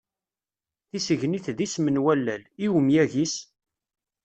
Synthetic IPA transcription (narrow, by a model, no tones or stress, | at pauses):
θisəʝniθðismənwælːæliwəmjæʝis